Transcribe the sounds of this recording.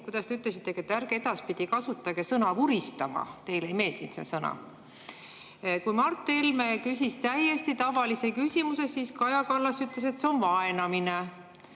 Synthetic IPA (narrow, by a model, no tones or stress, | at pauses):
kujd̪̥ɑst̪e̞yt̪ˑle̞s̬it̪ːˑe̞ket̪ːˑærɡeed̪̥ɑspid̪̥ikɑsut̪ːˑɑɡesɤnɑvuɾist̪ɑmɑ̰t̪e̞jlejme̞ːld̪̥int̪sḛsɤnɑ̰ | kujmɑrt̪ːˑelmekysʲist̪æje̞st̪it̪ɑvɑlise̞kysʲimuse̞siskɑjɑkɑlːɑsyt̪ˑle̞s̬e̞t̪seo̞nvɑe̞nɑmine